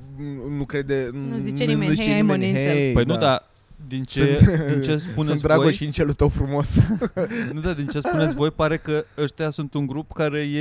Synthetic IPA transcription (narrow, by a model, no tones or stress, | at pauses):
nukɾe̞d̪eziezit͡ʃenimeniepəjnud̪a | d̪int͡ʃeɨd̪int͡ʃe̞spunetnʲvɾaoɡosint͡ʃelut̪əwfɾumo̞s | nud̪ad̪int͡ʃe̞spunetsʲvo̞jpaɾe̞kəəʃt̪easunt̪uŋɡɾupkaɾe̞je